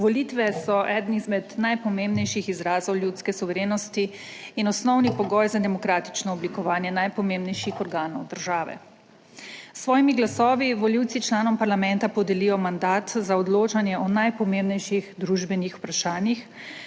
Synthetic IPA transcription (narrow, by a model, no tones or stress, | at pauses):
ʋɔliːt̪ʋɛsɔʔɛːd̪nizmɛd̪najpɔmẽmbnɛjʃixizɾaːzɔwljut̪skɛsuʋɛɾeːnɔst̪iː | nɔsnɔwnipɔɡɔjzad̪ɛmɔkɾaːt̪i̥t͡ʃnɔɔblikɔʋaːnjɛnajpɔmembnɛjʃixɔɾɡaːnɔwd̪əɾʒaːʋɛ̰ | sʋɔːjimiɡlasɔːʋiʋɔliwt̪sit͡ʃlaːnɔmpaɾlamɛnt̪apɔd̪ɛlijɔmand̪aːt̪zaɔd̪loːt͡ʃanjɛʔɔnajpɔmembnɛjʃiɣd̪ɾuʒbɛnixu̥pɾaʃaːnjix